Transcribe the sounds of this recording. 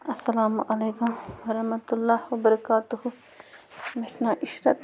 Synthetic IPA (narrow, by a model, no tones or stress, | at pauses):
ɐsːɐlaːmʔɐleːkʊmwɐɾɐhmɐt̪ulːaːhwɐbɐɾɐkaːt̪uhu | mesnaːʔɪʃɾɐt̪